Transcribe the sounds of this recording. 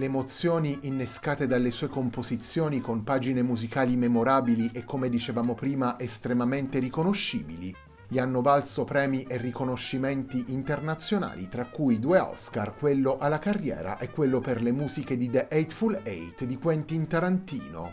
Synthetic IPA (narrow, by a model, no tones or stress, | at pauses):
leːmot̪sːjoːniʔinːeskaːt̪ed̪alːesuːekompozit̪sːjoːnikompaːd͡ʒinemuzikaːlimemoɾaːbiliʔekːomed̪it͡ʃevaːmopɾiːmaʔest̪ɾemament̪eɾikonoʃːḭːbili | ʎianːovalsopɾɛːmiʔerːikonoʃːiment̪iʔint̪ernat̪sːjona̰ːlḭt̪ɾakːujd̪uːeɔ̰skarkwelːoʔalːakarːjɛ̰ːɾa̰ʔɛkːwelːoperlemuːziked̪id̪eʔɛjt̪fulejt̪d̪ikwɛnt̪int̪aɾant̪ḭːno̰